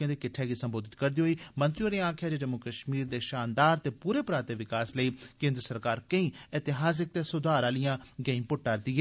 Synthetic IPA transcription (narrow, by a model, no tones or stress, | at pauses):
jãːd̪eːkɪʈʰːɛːɡiːsə̃mboːd̪ɪt̪kəɾd̪iːɦoːiːmə̃nt̪ɾijõːɾeãːkʰjaːd͡ʒeːd͡ʒəmukəʃmiːɾd̪eːʃaːnd̪aːɾt̪eːpuːɾeːpɾaːt̪eːʋɪkaːsləiːkẽːnd̪ɾəsəɾkaːɾkəĩːɪt̪ɪɦaːs̬ɪk̚t̪eːsʊd̪aːɾaːlijãːɡeĩːpʊʈːaːɾd̪iːɦɛː